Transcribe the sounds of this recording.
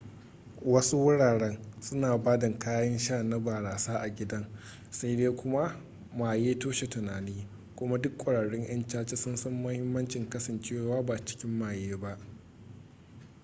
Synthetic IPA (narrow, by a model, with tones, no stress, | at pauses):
wɐ˦su˦wʊ˦ɽaː˨ɽɛ˦ŋsʊ˦naː˨baː˦dɐ˨ŋkaː˦jɐ˦nʃaː˦˨na˦baː˨ɽaː˨saː˦ʔa˨ɡʲɪ˦dɐ˦ŋ | sa˦jdeː˦kʷʊ˦ma˦ | maː˨jeː˦toː˦ʃe˨tʊ˨naː˨niː˦ | kʷʊ˦ma˦dʊ˦kʷʼɐ˨ɽaː˨ɽɛ˦ŋj̰ɐ˦nt͡ʃaː˦t͡ʃe˦sʊ˦nsɐ˦mːɐ˦hɪ˦mːɐ˦nt͡ʃɪ˨ŋkɐ˦sɐ˨nt͡ʃeː˦waː˦ba˨t͡ʃɪ̥˦kʲɪ˦mːaː˨jeː˦ba˦ʔ